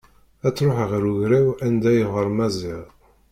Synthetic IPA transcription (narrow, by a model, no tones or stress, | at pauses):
æt͡sːɾoħʁɾuʝɾæwænd̪æjəʁəɾˤmæzɪʁ